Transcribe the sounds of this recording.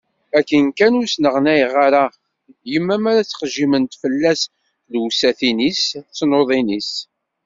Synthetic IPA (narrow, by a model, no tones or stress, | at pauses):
ækːənkænusnəʁnæjəʁaɾa | jəmːæmæɾæt͡sːə̥χəʒːimənt̪fəlːæs | lwsæθinist͡sːnoðˤinis